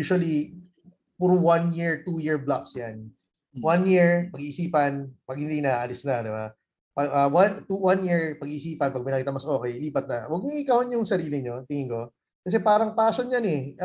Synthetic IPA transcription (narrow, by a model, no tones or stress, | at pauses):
juːʃʊɐli | pʊɾwanjiɹt̪ujɪɹblaksjan | wanjiɹpɐɡiʔːsiːpɐnpɐɡ̚hɪnd̪ijnɐaʔɐlɪsnɐd̪ɪba | pɐɡʔawat̪uwanjiɹpɐɡiʔːsiːpɐnpɐɡmɐjnɐkiːt̪ɐmɐsʔo̞ːkɛjliːpɐt̪̚nɐwɐɡ̚mʊŋɪkɐhonjʊŋsɐɾiːlɪɲo̞t̪ɪŋɪŋko̞ | kɐs̬ɛpaːɾɐŋpaːsonɲjɐnɛ